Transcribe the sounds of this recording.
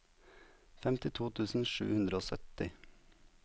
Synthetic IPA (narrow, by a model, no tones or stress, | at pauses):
fɛmt̪ɪt̪ʰuːt̪ʰʉːsn̩ʃʉ̰ːhʉnd̪ɾəoːsœ̰t̪ɪ